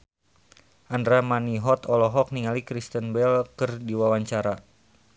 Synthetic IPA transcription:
ʔandɾamaniɦɔt̪ɔlɔɦɔk̚niŋalikɾist̪ənbɛlkərdiwawaɲt͡ʃaɾa

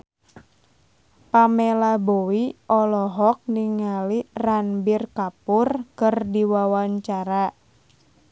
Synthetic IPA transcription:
pamelabowiɔlɔɦɔk̚niŋaliranbirkapʊrkɨrdiwawaɲt͡ʃaɾa

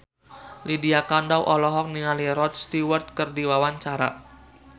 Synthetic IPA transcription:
lidiakandawʔɔlɔɦɔk̚niŋaliɾɔt̪st̪iwərt̪̚kərdiwawaɲt͡ʃaɾa̰

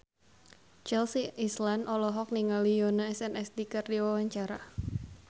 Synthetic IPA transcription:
t͡ʃɛlsiʔislandʔɔlɔɦɔk̚niŋalijonəɛsɛnɛsdikɨrdiwawaɲt͡ʃaɾa

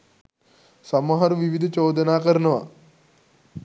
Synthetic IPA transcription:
sɐmɐɦɐɾuʋiʋid̪ʱɐt͡ʃoːd̪ɐnaːkɐɾɐnɐʋa̰

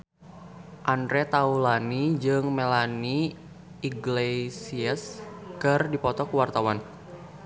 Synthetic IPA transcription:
ʔanɾɛt̪aulanid͡ʒɨŋmɛlaniː | ɡlesiəskɨrdipɔt̪ɔkuwart̪awan

